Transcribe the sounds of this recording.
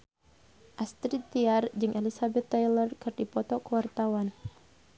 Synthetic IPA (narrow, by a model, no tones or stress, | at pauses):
ʔast̪ɾit̪iard͡ʒɨŋʔelisabɛt̪ːɛjlɔrkɨrdipɔt̪ɔkəwart̪awan